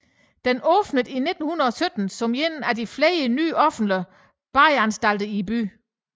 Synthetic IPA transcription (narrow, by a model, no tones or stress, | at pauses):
d̥enɔːb̥nəðˠine̝d̥n̩hunɐðˠɒ̽sød̥n̩sɒ̽mjenædifleːəny̰ːʔɒ̽fn̩dlə | b̥ɑ̈ɪænsd̥æl̰d̥əib̥y̰ː